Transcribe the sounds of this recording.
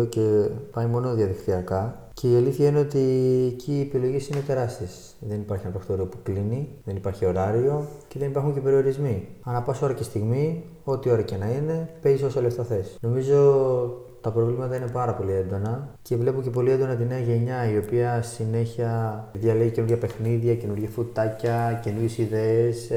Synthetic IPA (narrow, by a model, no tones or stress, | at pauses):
oce̞pɐjmo̞noðiɐðikt̪iɐkɐ | cʰe̞iɐliθiɐine̞o̞t̪iecʰiːepilo̞ʝisine̞t̪e̞ɾɐst̪is | ðe̞nipɐɾçinɐpɾest̪oɾiopukliniðe̞nipɐɾçio̞ɾɐɾio̞ce̞ðe̞nipɐɾxuɲce̞pe̞ɾio̞ɾizmiɐnɐpɐso̞ɾɐce̞st̪iɣmi | o̞t̪io̞ɾɐce̞nɐine̞pe̞ziso̞sɐleft̪ɐθe̞sno̞mizo̞ | t̪ɐpɾo̞vlimɐt̪ɐinepɐɾɐpo̞lie̞nd̪o̞nɐce̞vle̞puɲce̞po̞liend̪o̞nɐt̪̬ineɐʝe̞ɲɐio̞piɐsine̞çiɐðʝɐleɣice̞nuɾʝɐpe̞xniðʝɐce̞nuɾʝɐfut̪ɐcɐce̞nuɾʝe̞siðe̞ːs